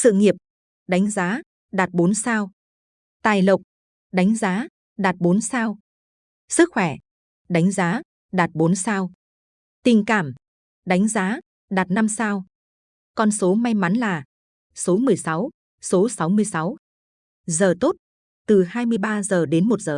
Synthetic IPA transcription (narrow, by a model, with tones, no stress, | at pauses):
sɨ̰˧˨ŋi˨˩əp̚ | ɗa˨˦jŋ̟zaː˨˦ | ɗaː˨˩t̚ɓo˨˦nsaː˧w | t̪aː˨˩jlə˨˩wk͡p̚ | ɗa˨˦jŋ̟zaː˨˦ | ɗaː˨˩t̚ɓo˨˦nsaː˧w | sɨ˦˥k̚xwɛ˧˩ | ɗa˨˦jŋ̟zaː˨˦ | ɗaː˨˩t̚ɓo˨˦nsaː˧w | t̪ï˨˩ŋkaː˧˩m | ɗa˨˦jŋ̟zaː˨˦ | ɗaː˨˩t̚na˧msaː˧w | kɔ˧nso˨˦ma˧jma˨˦nlaː˨˩ | so˨˦mɨ˨˩əjsa˨˦w | so˨˦sa˨˦wmɨ˧əjsa˨˦w | zəː˨˩t̪o˦˥t̚ | t̪ɨ˨˩haː˧jmɨ˧əjɓaː˧zəː˨˩ɗe˨˦nmo˨˩t̚zəː˨˩